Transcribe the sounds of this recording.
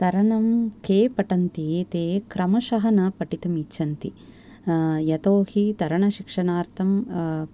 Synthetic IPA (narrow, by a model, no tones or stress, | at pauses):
t̪ɐɾɐɳɐmkeːpɐʈɐnt̪ieːt̪eːkɾɐmɐʃɐɦɐnɐpɐʈit̪ɐmit͡ʃːʃːɐnt̪i | jɐt̪oːhit̪ɐɾɐɳɐʃikʂɐnaːɾt̪ʰɐm